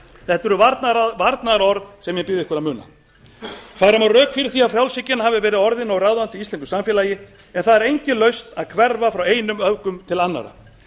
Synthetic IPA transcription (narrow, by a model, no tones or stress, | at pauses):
θɛht̪ʏɾʏvaɾt̪navaɾt̪naðɾɔɾðsɛmjɛpɪðɪhkvɛɾamʏːna̰ | faðɾamarœːkfɪːɾɪɾ̥θiafɾjawlsɪcːɪnahaːvɪvɛːɾɪðɔɾðɪnɔwrawðant̪ɪist̪ɛnkʏ̥samfjɛlaːjɪ | ɛnθaðɛɾejɲcɪlœɥst̪aðkʰvɛɾvafɾaweːjnʏmœvkʏmt̪ʰɪlanːa̰ɾa̰